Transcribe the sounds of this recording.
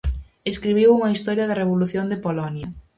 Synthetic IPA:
eskɾiβ̞iwuŋɐist̪ɔɾjɐðɐreβ̞oluθjond̪epolɔnjɐ

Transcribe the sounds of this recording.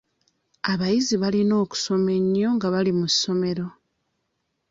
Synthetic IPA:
aβajiziβalino̞ːku̥so̞me̞ɲːo̞ŋɡaβalimussːo̞me̞ɾo̞

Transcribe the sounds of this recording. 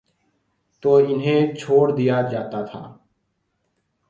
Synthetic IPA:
t̪oːɪnɦẽt͡ʃʰoːɽd̪ijad͡ʒaːt̪at̪ʰa̰ː

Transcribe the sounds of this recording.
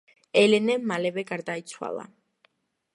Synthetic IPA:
ɛlɛnɛmalɛvɛɡaɾd̪ait̪sʰwa̰lˠa̰

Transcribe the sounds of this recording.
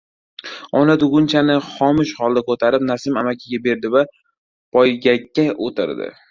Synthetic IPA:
ɒnad̪ʊɡʊnt͡ʃʰanɪχɒmɪʃhɒlˠd̪akot̪ʰaɾɪp̚nasɪmamakʲʰɪɡʲabe̞ɾd̪ɪva | pʰɒjɡʲakʲːaʔot̪ʰɪ̰ɾd̪ɪ̰

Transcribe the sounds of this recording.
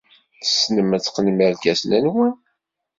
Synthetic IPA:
θə̥sːnəmət͡sːqnməɾkæsnænwən

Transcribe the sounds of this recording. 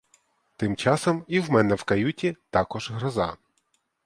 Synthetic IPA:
t̪ɪmt͡ʃɑsɔmiwmɛnɛwkɐjutʲit̪ɑkɔʒɦɾɔzɑ̰

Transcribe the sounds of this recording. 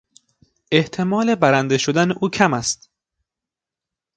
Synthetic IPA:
ʔeht̪ʰe̞mɒːle̞bæɾænd̪e̞ʃod̪æneʔuːcʰæmæst̪

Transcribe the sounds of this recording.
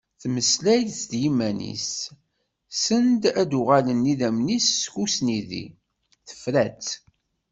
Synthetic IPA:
θməslæjsd̪jimːænḭs | sənd̪æd̪ʊʁalənːiðæmnisːçusniðḭ | θə̥fɾæt͡s

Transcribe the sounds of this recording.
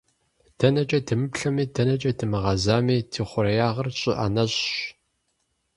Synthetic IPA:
d̥ɐnɐt͡ʃʼɐdɨmɨpɬɐmiːdɐnɐt͡ʃʼɐdɨmɨʁɑzaːmiːtʰiːχʷʊɾɐjaːʁɐrɕʼɪʔa̰nɐɕʼɕ

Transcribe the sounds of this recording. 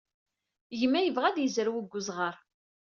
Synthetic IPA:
jəmːæjəvʁæðjəzəɾwəɡʷːʊzʁəɾˤ

